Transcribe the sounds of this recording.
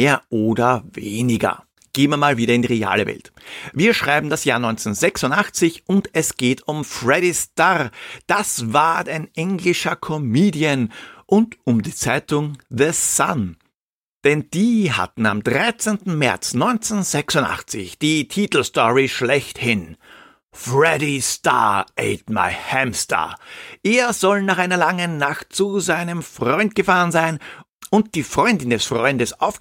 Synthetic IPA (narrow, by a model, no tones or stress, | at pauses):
eːɐʔoːdɐveːnɪɡɐ̰ | ɡ̥eːmːɐmaːlviːɾɐɪndiʁea̰ːləvɛ̰ltviːɐʃʁ̥aɪbm̩dasjaːɐnɔʏnt͡senzɛksʊntaχt͡sɪçʔʊntɛsɡ̥eːtʰʊmfʁɛɾistaʁd̥asv̥aːɐtaɪnʔɛŋlɪʃɐkʰɔmiːdiənʔʊntʊmdiːt͡saɪtʊŋðəsa̰n | d̥ɛnd̥iːha̰tn̩a̰mdʁaɪt͡sentn̩mɛ̰ɐt͡snɔʏnt͡senzɛksʊ̃nta̰χt͡sɪ̰çd̥iːtʰiːtl̩stɔʁiʃlɛçthɪn | fʁɛɾista̰ʔḛɪtma̰ɪhɛmsta̰ʔeːɐzɔlnaːχaɪnɐlaŋənːaχt̚t͡suzaɪnəmfʁ̥ɔʏnt̚ɡ̥əfaːʁənzaɪn | ʊnt̚d̥iːfʁ̥ɔʏndɪndɛsfʁ̥ɔʏndəsaʊf